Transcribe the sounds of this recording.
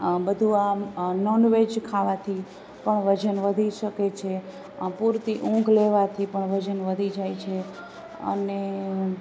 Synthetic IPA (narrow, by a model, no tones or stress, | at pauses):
bəd̪ʱuanɔnʋed͡ʒkʰaʋat̪ʰi | pəɳʋəd͡ʒənʋəd̪ʱiʃəket͡ʃʰe | puɾt̪iʔũŋɡleʋat̪ʰipəɳʋəd͡ʒənʋəd̪ʱid͡ʒajt͡ʃʰe | ə̰ne